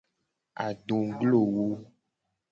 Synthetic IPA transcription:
a̰˨ɖo˨ɡlo˦˨wo˦

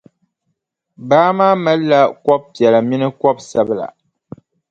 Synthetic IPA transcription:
baː˦maː˦mɛ˦la˦kwɔ˦p̚tjɛ˨la˨mi˦nɨ˦kɔ˦b̚sɛ˦bla̰˨

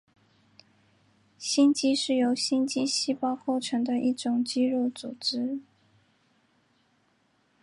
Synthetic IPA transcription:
ɕi˥nt͡ɕi˥ʂɻ̩˥˩jo˧˥ʊɕi˥nt͡ɕi˥ɕi˥˧pɑ˥˧ʊko˥˩ʊʈ͡ʂʰɤ˧˥ŋd̪ə˧ʔi˥˩ʈ͡ʂʊ˨˩ŋt͡ɕi˥ɻo˥˩ʊt͡su˨˩ʈ͡ʂɻ̩˥

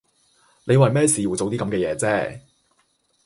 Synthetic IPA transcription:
le˨˧jwɐ˨jmɛː˥siː˨˧ju˨˩t͡so˨wt̪̬iː˥kɐ˨˥mkɛː˧jɛ̰ː˨˧t͡sɛː˥

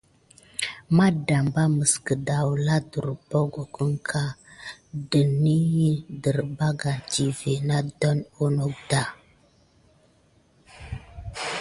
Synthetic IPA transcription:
ma˦da˨mba˦mə˨skə˨da˨wla˦du˨ɾbo˦ɡo˨kə˦ŋkʰa˦ | də˨ni˦jə˦də˨ɾba˦ɡa˨ti˨ve˨na˦dɔ˦no˦no˦k̚da˦˨

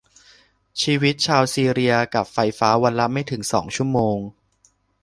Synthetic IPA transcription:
t͡ɕʰiː˧wi˦˥t̪̚t͡ɕʰaː˧wsiː˧ɾi˧ɐka˨˩p̚fa˧jfaː˦˥wa˧nla˦˥ma˥˩jt̪ʰɯ˩˦ŋsɔ̰ː˩˦ŋt͡ɕʰu˥˩əmoː˧ŋ

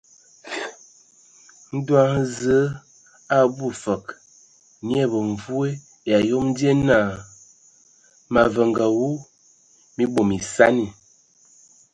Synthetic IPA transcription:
n̩˦dwa˦ŋ˦zə˨˦ | a˦bu˦fə˨k | ni˦ɛ˦bə˨ɱ˨vu˦e˦ | ja˨jo˦mn˦di˦e˦na˦˨ | ma˨və˨ŋɡa˨wu˦ | mi˦bo˨mi˨sa˦ni˨

